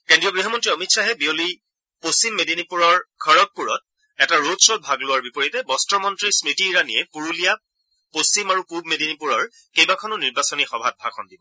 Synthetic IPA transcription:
kendɹijɔɡɹiɦɔmɔntɹiɔmitsaɦɛbioli | post͡ʃimːedinipuɹɔɹkʰɔɹɔt̚puɹɔt̚ | ɛtaɹodsɹɔt̚bʱaɡlʊwaɹbipɔɹitɛbɔstɔmɔntɹisɹitiɹaniɛpuɹulija | post͡ʃimaɹupubmedinipuɹɔɹ | kejbakʰɔnʊniɹbasɔnixɔbʱat̚bʱakʰɔndibɔ

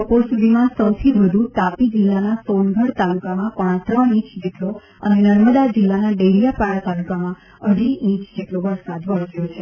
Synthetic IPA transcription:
bəpoɾsud̪ʱimãsəwt̪ʰiʋəd̪ʱũt̪apid͡ʒɪlːanasonɡʱəɽt̪alukamãpəɽ̃ãt̪ɾənĩt͡ʃd͡ʒeʈlo | ənenəɾməd̪ad͡ʒɪlːanaɖelijapaɽat̪alukamã | əɽiĩt͡ʃd͡ʒeʈloʋəɾsad̪ʋəɽsjot͡ʃʰe

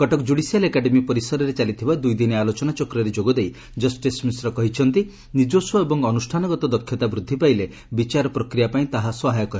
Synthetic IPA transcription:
kɔʈɔkd͡ʒuɽisijalekaɖemipɔɾisɔɾɔɾet͡ʃalit̪ʰibad̪ujd̪inialot͡ʃɔnat͡ʃɔkɾɔɾed͡ʒoɡɔd̪ej | d͡ʒɔsʈismisɾɔkɔɦit͡ʃʰɔnt̪i | nid͡ʒosɔebɔŋɔnusʈʰanɔɡɔt̪ɔd̪ɔkʰːjɔt̪abɾud̪ʱːipajle | bit͡ʃaɾɔpɾɔkɾijapaĩt̪aɦaswɔɦajɔkɔɾ

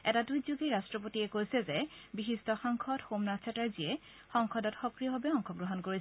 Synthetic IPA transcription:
ɛtadujzoɡeɹastɹɔp̬otiɛkojsɛzɛbiɦistɔxɔŋkʰɔdxomnast͡ʃʰɛtaɹziɛ | xɔŋkʰɔdɔtxɔkɹiɔɦɔbɛɔŋkʰɔɡɹɔɦɔnkoɹi

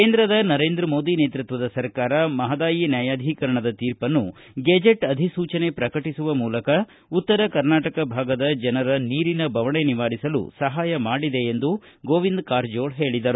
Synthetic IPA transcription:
ke̞ːnd̪ɾɐd̪ɐnɐɾeːnd̪ɾɐmo̞ːd̪ine̞ːt̪ɾut̪ʋɐd̪ɐsɐɾkaːɾɐmɐɦɐd̪aːjinjaːjaːd̪ʱikɐɾɐɳɐd̪ɐt̪iːɾpɐnːu | ɡeːd͡ʒeʈɐd̪ʱisuːt͡ʃɐne̞pɾɐkɐʈisuʋɐmuːlɐkɐ | ut̪ːɐɾɐkɐɾnaːʈɐkɐbʱaːɡɐd̪ɐd͡ʒɐnɐɾɐniːɾinɐbʱɐʋɐɳe̞niʋaːɾisɐlṵsɐɦaːjɐmaːɽid̪e̞ːnd̪u | ɡoːʋind̪kaːɾd͡ʒoːɭɦe̞ːɭid̪ɐɾu

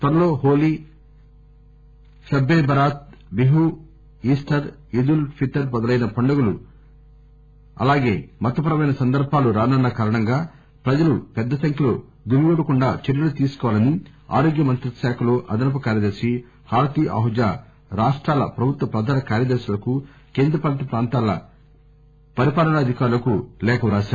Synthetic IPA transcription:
t̪ɐɾɐloːɦoːli | sɐbːeːbʱɐɾaːt̪̚ | biɦu | iːsʈɐɾ | id̪ulpʰiʈːɐɾbɐd̪ɐlɐjnɐpɐɳɖɐɡulu | ɐ̰laːɡe̞̰ːmɐt̪ɐpɐɾɐmɐjnɐsɐnd̪ɐɾbʱaːluɾaːnɐnːɐkaːɾɐɳɐŋɡaː | pɾɐd͡ʒɐlupɛd̪ːɐsɐŋkʰilo̰ː | ɡumiɡuːɽɐkuɳɖaːt͡ʃeɾjɐlut̪iːsu̥kɔːʋalɐni | a̰ːɾoːɡjɐmɐnt̪ɾɐʃaːkʰɐloːʔɐd̪ɐnɐp̬ɐkaːɾjɐd̪ɐɾʃi | haːɾt̪iʔɐ̰ɦud͡ʒaː | ɾaːʂʈɾaːlɐ̰pɾɐbʱut̪wʋɐpɾɐd̪ʱaːnɐkaːɾjɐd̪ɐɾʃilɐku | keːnd̪ɾɐpaːɳʈipɾaːnt̪aːlɐ̰ | pɐɾipaːlɐnɐɐd̪ʱikaːɾulɐkulɛːkɐʋɾaːʃaːɾ

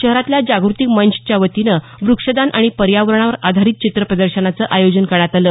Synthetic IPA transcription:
ɕəɦɾat̪ljad͡ʑaɡɾut̪ikmənɕt͡ɕjaʋət̪inə | ʋɾukʂəd̪anʔaɽ̃ipəɾjaʋəɾɳ̃aʋəɾad̪ʱaɾiːt̪̚t͡ɕit̪ɾəpɾəd̪əɾɕənat͡səʔajod͡ʑənkəɳat̪alə

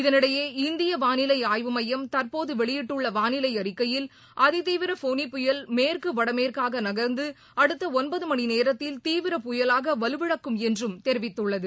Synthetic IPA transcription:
ɪðɐnɪɽɐjeːɪnd̪ɪjɐʋaːnɪlɐɪaːjʋɯmɐjːɐmt̪ɐrpoːðɯʋɛɭɪjɪʈːɯɭːɐʋaːnɪlɐɪɐɾɪkːɐjɪl | ʔɐðɯt̪iːʋɪɾɐfoːnipːʊjɐlmeːrkɯʋɐɽɐmeːrkaːɣɐnɐɣɐɾnd̪ɯ | ɐɽɯt̪ːɐɔnbɐðɯmɐɳineːɾɐt̪ːɪlt̪iːʋɪɾɐpʊjɐlaːɣɐʋɐlɯʋɪɽɐkːɯmɛndrɯmt̪ɛɾɪʋɪt̪ːɯɭːɐðɯ

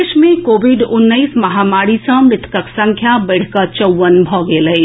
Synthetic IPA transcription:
ʃmẽkoːbiɖʊnːəɪsmɐɦamaːɾisə̃mɾɪt̪ʰkəksə̃ŋkʰjabəɽ̤kət͡ʃəwʋːənbʱɔɡeləɪ

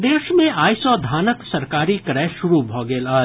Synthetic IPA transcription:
d̪eːʃmẽʔaːjsɔːd̪ʱaːnəksɐɾkaːɾikɾɛːʃʊɾubʱɔːɡeːlaː

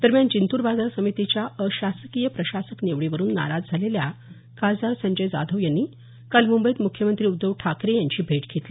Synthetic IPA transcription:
d̪̥əɾmjant͡ɕint̪uːɾbad͡zaɾsəmit̪it͡ɕjaəɕasəkijəpɾəɕasəkneʋɽiʋəɾuːnːa̰ɾad͡zd͡zʱalelja | kad͡zaɾsəɲd͡ʑəjd͡za̰d̪ʱəʋjanːiː | kalmumbəit̪mukʰːjəmənt̪ɾiːud̪ːəʋʈʰakɾejãɲt͡ɕiːbʱeʈɡʱet̪li

